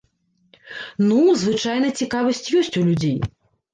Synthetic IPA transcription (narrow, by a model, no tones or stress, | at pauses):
nuzvɨt͡ʂajn̪ɐt͡sʲikavɐsʲt͡sʲjɔsʲt͡sʲulʲud͡zʲej